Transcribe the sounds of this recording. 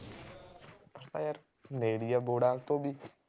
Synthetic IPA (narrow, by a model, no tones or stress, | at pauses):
pəɾt̪a̰ːjaɾ | neːɽijaːboːɽaːlt̪õːbi